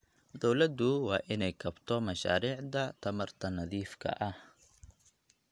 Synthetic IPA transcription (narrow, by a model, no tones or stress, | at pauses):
d̪ɔwlɐd̪ʊwɑːʔɪnɛjkʰɐbt̪ʰɔmɐʃa̰ːɾiːʕd̪ɐt̪ʰɐmɐrt̪ʰɐnɐðiːfkʰɐ̰ʔɐh